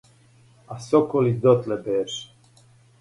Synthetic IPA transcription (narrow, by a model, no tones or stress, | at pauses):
asɔkɔlid̪ɔt̪lɛbɛːɾʃ